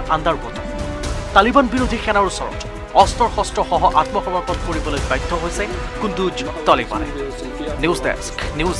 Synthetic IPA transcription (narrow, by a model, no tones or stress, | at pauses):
ʔandaɹkɔ̰tɔtalibanbiɹodʱixɛnaɹusɔɹɔ̰t | ɔstɔɹxɔstɹɔxɔɦɔʔatmɔxɔmatɔt̚koɹibɔlojbajdʱːɔɦojsɛkundud͡ʒ | tɔlikma̰nɛ̰ | nisdɛ̰sknuz